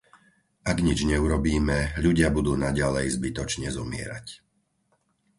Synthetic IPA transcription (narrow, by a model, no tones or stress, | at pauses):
ʔaɡɲid͡ʒɲɛuɾɔbiːmɛʎuɟɪabud̪uːnaɟalɛjzbit̪ɔt͡ʃɲɛzɔmɪɛ̰ɾa̰c